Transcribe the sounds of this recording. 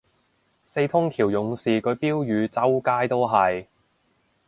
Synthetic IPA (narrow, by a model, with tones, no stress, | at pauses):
se˧jt̪ʰʊ˥ŋkʰiː˨˩wjʊ˨˧ŋsiː˨kʰɵ˨˧ɥpiː˥wjyː˨˧t͡sɐ˥wkaː˥jt̪o˥wɦɐ˨˩j